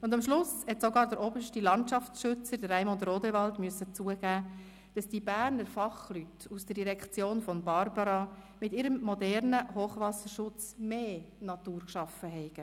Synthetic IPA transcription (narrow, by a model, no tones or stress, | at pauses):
ʊndɑmʃlʊshɛtsɔɡɑːɾdəɾʔɔbəʃtilɑntʃɑft͡sʃʏt͡səɾdəɾːɛɪmondroːdɛvɑltmyəsːət͡suːəɡ̥æː | d̥ɑsd̥ibæːɾnəɾfɑχlytusd̥əɾdiɾɛkt͡sjoːnfɔmbɑɾbɑɾɑmɪtiːɾəmːɔdɛɾnəhoːχʋɑsəɾʃʊt͡smeːnɑtuːɾkʃɑfəɦɛɪɡ̥ə